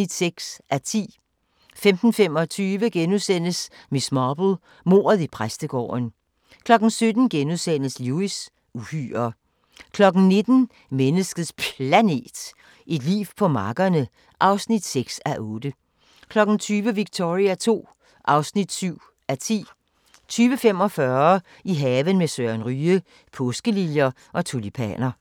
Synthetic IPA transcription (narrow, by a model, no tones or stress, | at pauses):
id̥seɡ̥sæt͡sʰḭː | femd̥n̩femɒ̽t͡sʰyːʋəɡ̥enusen̰əsmismɑːb̥l̩ | mo̝̰ːɐðˠipʰʁasd̥əɡ̥ɒ̰ːn | kʰlɒ̽ɡ̥n̩sød̥n̩ɡ̥enuðˠsen̰əsluis | uhy̰ːɐ | kʰlɒ̽ɡ̥n̩ne̝d̥n̩ | menəsɡ̥əð̩ˠspʰlæne̝̰ːd̥ | ʔe̝d̥lḭːʋpʰɒ̽mɑ̈ːɡ̥ɐnə | ʔɑ̈ʊsnid̥seɡ̥sæʔɔːd̥ə | kʰlɒ̽ɡ̥n̩t͡sʰyːʋəʋiɡ̥̚t͡sʰo̝ʁiæt͡sʰo̝̰ː | ʔɑ̈ʊsnid̥syʊ̰ | æt͡sʰḭː | t͡sʰyːʋəfem̰ɒ̽fɶɐ | iɦɛːʋənmesøɐnʁyːə | pʰɔsɡ̥əliljɐ | ʔɒ̽t͡sʰulipʰæ̰nɐ